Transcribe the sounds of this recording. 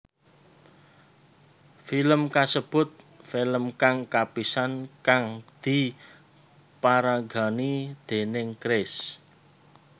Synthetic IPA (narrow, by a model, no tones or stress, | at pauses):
filəmkasəb̥ʊ̤t̪̚ | filəmkaŋkapisankaŋd̪̥i̤ | paɾaɡa̤nid̪̥e̤nɪŋkɾɪs